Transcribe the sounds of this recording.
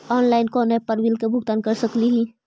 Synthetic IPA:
ɔːnlaːɪnkɔ̃ːnɦepɐɾwilkebʱʊɡ̚t̪ankəɾsəkliɦi

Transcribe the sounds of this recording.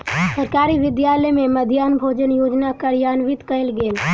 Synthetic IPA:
səɾkaːɾiʋɪd̪jaːləjmẽməd̪ʱjaːnbʱoːd͡ʒənjoːd͡ʒnakəɾjaːnʋɪt̪kəɪlɡeːl

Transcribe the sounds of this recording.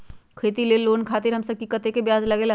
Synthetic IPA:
kʰeːt̪ileloːnkʰaːt̪ɪɾɦɐmsəb̚kikɐt̪ekebjaːzlɐɡeːla

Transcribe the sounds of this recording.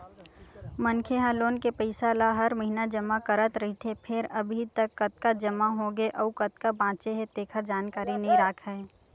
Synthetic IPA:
mɐnkʰeɦaːloːnkepəɪsaːlaɦɐɾmɐɦinad͡ʒɐmakɐɾət̪ɾɐɦit̪ʰepʰɪɾɐbʱit̪əkːɐt̪̚kad͡ʒɐmaɦoɡeʔɔːukɐt̪kabãːt͡ʃeɦet̪eːkʰəɾd͡ʒaːnkaːɾinɐɦĩɾaːkʰɦɛː

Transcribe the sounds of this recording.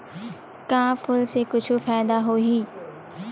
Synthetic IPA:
kãːfʊlsekʊd͡ʑʱʊ̆faːɪd̪aɦoiː

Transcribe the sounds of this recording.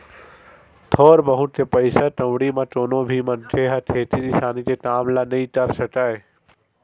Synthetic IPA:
t̪ʰoːɾbəɦʊ̃t̪ʰepəɪsaʈɐ̃ʋɽimãʈoːnõbʱiːmɐnʈʰeɦaʈ̪ʰeːt̪ʰiisaːnit̪eʈaːmlanɐĩʈəɾsɐʈaːe

